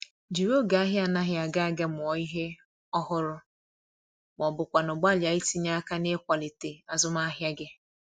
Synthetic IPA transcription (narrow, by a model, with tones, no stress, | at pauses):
d͡ʒi˨ɾo˦ɡa˨a˦ɦja˨na˦ɦja˨ɡa˦a˦ɡa˦mʊ˨ɔ˨i˦ɦe˦ | ɔ˦hʊ˦ɾʊ˦ | m˨ɔ˨bʊ˨kʷa˨nʊ˨ɡ͡ba˦˨lɪ˨a˨˦i˦ti˦ɲa˦a˦ka˦ne˦kʷa˨lɪ˨te˨a˨zʊ˦ma˦ɦja˦ɡɪ˦